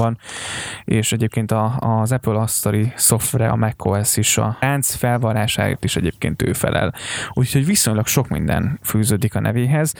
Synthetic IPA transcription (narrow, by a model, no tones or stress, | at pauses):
ɒn | eːʃɛɟeːp̚keːnt̪ɒzɛpølɒst̪oɾiso̞ft̪rɛɒ̰mɛkʰːoɛsiʃɒ̰ant̪sfɛlvɒɾaːʃa̰ːjḭt̪ːiʃɛɟeːp̚kḛːnt̪ø̰ːfɛ̰lʔɛ̰luːcʰhoɟʋiso̞ɲlɒkʃo̞kmḭnd̪ɛ̰nfyːzøːd̪ikɒnɛ̰veːɦɛz